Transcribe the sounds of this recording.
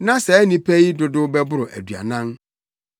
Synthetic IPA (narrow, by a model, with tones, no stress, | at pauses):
nã˦sɛ˨˦nĩ˨pʰæ˦ji˦dʊ˨dʊ˦bɛ˦bʊ˦ɾʊ˨ʔæ̰˨dɥa̰˨nã˦n